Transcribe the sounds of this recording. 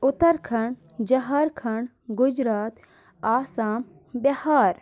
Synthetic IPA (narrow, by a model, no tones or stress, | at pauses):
ʊt̪ɐɾkʰɐɳ | d͡ʒɐɦɐɾkʰɐɳ | ɡʊd͡ʒɾaːt̪ | aːsaːm | bɐhaːɾ